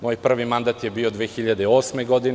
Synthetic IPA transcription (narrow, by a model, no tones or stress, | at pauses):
moːjpr̩ʋimand̪at̪jebiːod̪ʋeːxiʎad̪eoːsmeɡod̪in